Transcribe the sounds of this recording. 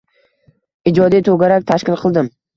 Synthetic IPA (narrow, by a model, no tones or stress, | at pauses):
ɪd͡ʒɒd̪ijt̪ʰoɡʲaɾak̚ʲt̪ʰaʃkʲɪlˠqʰɨlˠd̪ɪm